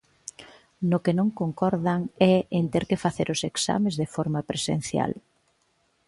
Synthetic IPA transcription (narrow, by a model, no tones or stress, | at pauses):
nʊkenõŋkoŋkɔɾðaŋɛent̪eɾkɪfaθeɾʔʊseksa̰mezðefɔɾmapɾesḛn̟θja̰l